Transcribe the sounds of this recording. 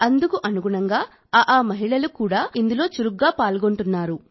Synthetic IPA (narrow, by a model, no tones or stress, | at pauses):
ɐnd̪ukuʔɐnuɡuɳɐŋɡaː | ʔaːmɐɦiɭɐlukuːɽaːind̪ulo̞ːt͡ʃuɾuɡːaːpaːlɡo̞ɳʈunːaːɾu